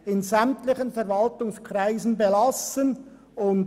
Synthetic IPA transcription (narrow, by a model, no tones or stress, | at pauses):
ɪnzæmtlɪçənfɛɾvɑltʊŋskʰʁ̥aɪzn̩belɑsən | ʊnd